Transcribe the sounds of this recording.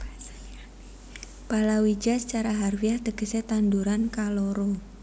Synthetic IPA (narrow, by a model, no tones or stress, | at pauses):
palawi̥d͡ʒasə̥t͡ʃaɾaɦarwiahd̪əɡ̥ə̤set̪and̪uɾankaloɾo